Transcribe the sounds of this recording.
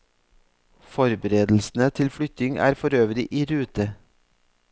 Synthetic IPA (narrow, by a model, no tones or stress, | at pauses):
fɔɾbəɾeːd̪l̩sn̩ət̪ʰɪlfɽʏt̪ɪŋʔæ̰ːɾfɔɾøːʋəɾɪʔiːɾʉːt̪ə